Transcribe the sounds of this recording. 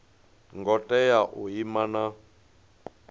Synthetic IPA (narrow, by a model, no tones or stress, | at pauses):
ŋɡɔtʼɛjaʔuɦimana